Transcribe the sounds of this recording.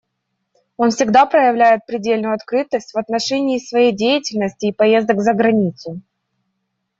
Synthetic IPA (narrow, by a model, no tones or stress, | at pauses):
o̞nfsʲɪɡd̪apɾəjɪvlʲæjɪt̪̚pɾʲɪdʲelʲnʊjʊɐt̪kɾɨt̪əsʲtʲvɐt̪nɐʂɛnʲɪːsvɐjejdʲejɪtʲɪlʲnəsʲtʲɪːpɐje̞zd̪əkzəɡɾɐnʲit̪sʊ